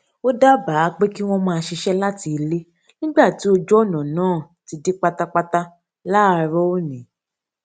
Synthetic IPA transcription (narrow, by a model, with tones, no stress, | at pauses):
o˦da˦ba˨˦˧k͡pe˦ki˦w̃ɔ̃˦mãː˧ʃi˧ʃɛ˦la˦ti˧le˦ | nĩ˦ɡ͡ba˦˨ti˨˦o˧d͡ʒɔ˦ɔ˦˨nã˨nãː˦˨ | ti˧di˦k͡pa˧ta˦k͡pa˧ta˧ | la˦˨˧ɾɔ˦o˦nĩ˨˦